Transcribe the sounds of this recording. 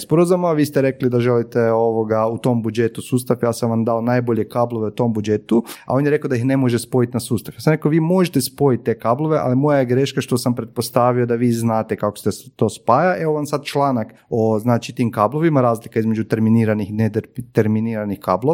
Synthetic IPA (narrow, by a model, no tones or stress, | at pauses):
spoɾozamaʋiːst̪eɾe̞klid̪aʒelit̪eoʋoɡaut̪o̞mbud͡ʒe̞t̪usuːst̪afjaːsamʋamd̪aonajboʎe̞kaːblˠo̞ʋeut̪o̞mbud͡ʒet̪ua̰o̞njeɾekaod̪aixne̞mo̞ʒespo̞jit̪nasuːst̪afjaːsamɾekoʋiːmo̞ʒet̪espo̞jit̪̚ʲːe̞ːkaːblˠoʋe̞ʔa̰limojajeɡɾe̞ːʃkaʃt̪o̞sampɾet̪̚po̞st̪aːʋio̞d̪aʋiːznaːt̪ekakost̪est̪o̞ːspaːjaʔe̞ʋoʋansad̪̚t͡ʃlˠaːnak | oznaːt͡ʃit̪iːmkaːbloʋimaɾaːzlikaizmed͡ʒut̪e̞ɾminiːɾanixinet̪t̪eɾminiːɾanixkaːblo